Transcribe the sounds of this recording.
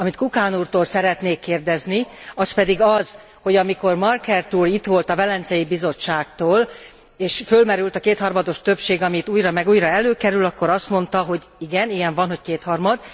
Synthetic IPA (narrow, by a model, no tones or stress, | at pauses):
ɒmit̪kukaːnuːrt̪oːlsɛɾɛt̪neːkːeːrd̪ɛzniɒspɛd̪iɡɒz̥ | ho̞ɟɒmiko̞rmɒrkɛrt̪uːrit̪ʋo̞lt̪ɒvɛlɛnt̪sɛjibizo̞t͡ʃːaːkt̪oːl | eːʃfølmɛɾylt̪ɒkeːt̪hɒrmɒd̪o̞ʃt̪ø̞pʃeːɡɒmit̪uːjɾɒmɛɡuːjɾɒɛløːkɛɾylɒkːo̞ɾɒst̪mo̞nt̪ɒɦo̞ɟ | iɡɛnijɛɱvɒnho̞ckeːt̪hɒrmɒd̪